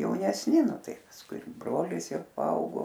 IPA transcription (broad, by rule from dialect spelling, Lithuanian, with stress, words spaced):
jɛʊnʲɛsʲˈnʲɪ ˈnʊ ˈtɐɪ pɐsˈkʊɪ ɪr ˈbroːlʲɪs ˈjɛʊ pɐˈɐʊɡoː